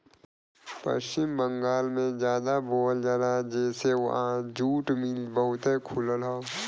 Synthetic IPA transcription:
pə̰ʃt͡ʃɪmbə̃ŋɡaːlmẽd͡ʒjaːd̪aboːld͡ʒaːɾad͡ʒɛːseʋ̰ɦãd͡ʒuːʈmɪlbəɦʊt̪ɦẽkʰʊləlɦoː

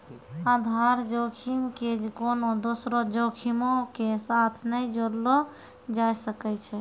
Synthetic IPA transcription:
ad̪ʱaɾd͡ʒokʰimked͡ʒkonod̪osɾɔd͡ʒokʰimokesat̪ʰnəjd͡ʒoɾlo | d͡ʒajsəkɛt͡ʃʰɛ

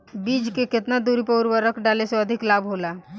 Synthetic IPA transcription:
bid͡ʒkeket̪nad̪uɾipəʊɾʋəɾəkʰɖaleseəd̪ʱiklabɦola

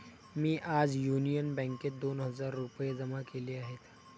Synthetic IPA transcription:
mĩʔaːd͡ʒjuːnijənbɛ̃ːŋked̪oːnɦɐzaːɾːʊpəezɐmãkelieaːɦet̪ʰː

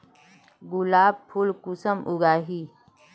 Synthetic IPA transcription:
ɡʊlaːb̚pʰʊlkʊsəmʔʊɡaːɦiː

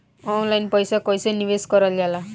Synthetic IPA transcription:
ɔnlajnpɔjsakɔjseniʋeskɔɾɔliala

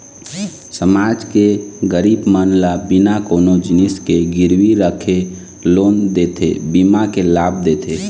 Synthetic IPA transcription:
səmaːd͡ʒkeɡəɾibmənlabinakoːnod͡ʒɪnɪskeɡɪɾwiɾəkʰe | loːnd̪eːt̪ʰḛbimakelaːbd̪et̪ʰe

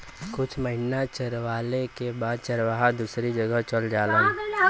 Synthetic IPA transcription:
kʊt͡ʃʰməɦɪnat͡ʃəɾʋaːlekebaːd̪̚t͡ʃəɾʋaɦad̪uːsɾid͡ʒəɡəɦt͡ʃəld͡ʒaːlə

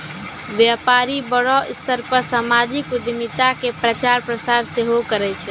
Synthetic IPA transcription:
ʋjapaɾibəɽɔʔɪst̪əɾpəsamad͡ʒʱikʊd̪mit̪akepɾət͡ʃaɾpɾəsaɾseɦokəɾɛt͡ʃʰɛ

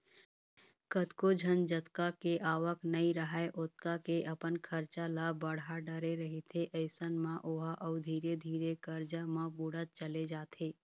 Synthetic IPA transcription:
kət̪kod͡ʒʱənd͡ʒət̪kakeʔaːʋəknəiɾəɦaeʔʊt̪kakeʔɐpənkʰəɾt͡ʃalabəɽ̤aɖəɾeɾəɦet̪ʰeʔəɪsənmãʔʊɦaʔɔʊd̪ʱiːɾed̪ʱiːɾekəɾd͡ʒamãbuɽət̪̚t͡ʃəled͡ʒaːt̪ʰeː

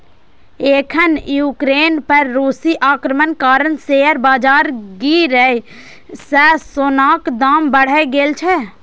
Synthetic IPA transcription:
eːkʰənjuːkɾeːnpəɾːuːsiʔaːkɾəmənkaːɾənseəɾbaːd͡ʒaːɾɡiɾɛ | sɛsoːnaːkd̪aːmbəɽ̤ɛɡeːlt͡ʃʰɛ

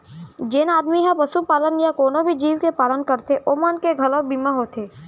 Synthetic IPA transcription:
d͡ʒenaːd̪miɦãpəsupaːlənjakoːnobʱid͡ʒiːʋkepaːlənkəɾt̪eʔoːmənkeɡʱɐlõbiːmaɦoːt̪ʰeː

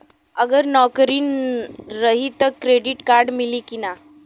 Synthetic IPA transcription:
əɡəɾnɔkəɾiːn | ɾəɦit̪əkːɾeɖiʈkaɾɖmiliːkina

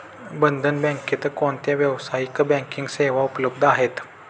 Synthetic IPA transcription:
bənd̪ʱənbɛ̃ŋket̪əkoɳt̪aʋjəʋsaikbɛ̃ŋkiŋɡseʋaupləb̚d̪ʱaɦet̪

